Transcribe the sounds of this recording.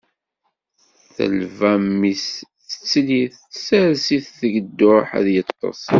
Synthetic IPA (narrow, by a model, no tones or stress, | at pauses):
θə̰lvæmːis | ə̥t͡sːliθ | sæɾsiθθəɡəd̪ːʊħæ̰ðjət̪ˤːɑ̰sˤ